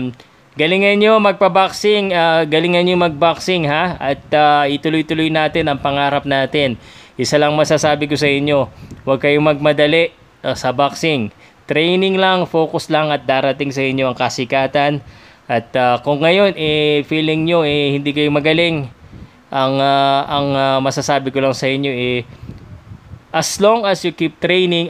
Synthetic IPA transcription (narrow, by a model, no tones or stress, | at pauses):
ɡɐlɪŋɐnjo̞mɐɡ̚pɐbaksɪŋaːɡɐlɪŋɐnjomɐɡ̚baksɪŋɦaɐt̪̚aʔɪt̪ʊlojt̪ʊlojnaːt̪ɪnɐŋpɐŋaːɾɐp̚naːt̪ɪnʔɪsɐlɐŋmɐsasaːbɪko̞sɐʔɪɲjo̞wɐɡ̚kɐjomɐɡ̚mɐd̪ɐlɛʔ | sɐbaksɪŋ | t̪ɾɛjnɪŋlɐŋfo̞ːkʊslɐŋɐt̪̚d̪aːɾɐt̪ɪŋsɐʔɪɲjo̞ɐŋkɐsɪkaːt̪ɐn | ʔɐt̪ɐkʊŋːɐjo̞nʔɛfiːlɪŋɲo̞ʔɛhɪnd̪iːkɐjomɐɡɐlɪŋ | ʔɐŋaʔɐŋɐmɐsasaːbɪkolɐŋsɐʔɪɲjo̞ʔɛ | ʔɐslo̞ŋɐsjʊkip̚t̪ɾɛjnɪŋ